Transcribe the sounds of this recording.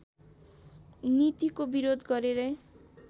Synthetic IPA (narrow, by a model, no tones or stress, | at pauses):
nit̪ikobiɾod̪ʱɡɔɾiɾe